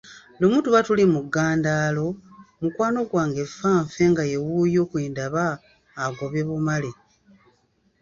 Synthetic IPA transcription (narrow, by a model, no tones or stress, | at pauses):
lomuːtuβatulimuɡaːndaːlo̞mukwaːno̞ɡwaːŋɡe̞faːɱfe̞ŋɡaje̞wujo̞ːkwiːndaβaː | ɡo̞βe̞βumale